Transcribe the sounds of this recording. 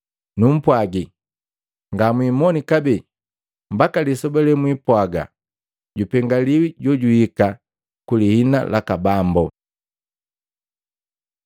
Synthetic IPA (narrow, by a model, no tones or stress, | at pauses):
num̩pwaɡi | ŋɡamwiːmɔnikabɛ | mbakalisɔbɛlɛmwipwaɡa̰ | ɟupɛŋɡaliwiɟɔɟuhika | kulihina̰lʔakabambɔ